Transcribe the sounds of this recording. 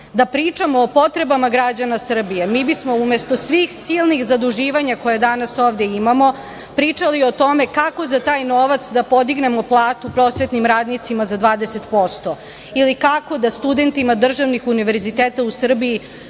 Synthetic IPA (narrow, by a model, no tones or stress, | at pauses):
d̪apɾiːt͡ʂamoːpo̞t̪ɾe̞bamaɡɾad͡ʑanasr̩bijemiːbismoumest̪o̞sʋixsilˠnixzad̪uʒiːʋaɲako̞jed̪anasoːʋd̪eimamo̞ | pɾiːt͡ʂaliot̪o̞mekako̞zat̪aːjnoʋat̪sd̪apo̞d̪iɡne̞mo̞plˠaːt̪upɾo̞sʋe̞t̪nimɾaːd̪nit̪simazad̪ʋaːd̪eset̪po̞st̪o | ilikako̞d̪ast̪ud̪e̞nt̪imad̪r̩ʒaʋnixuniʋe̞ɾzit̪eːt̪ausr̩bii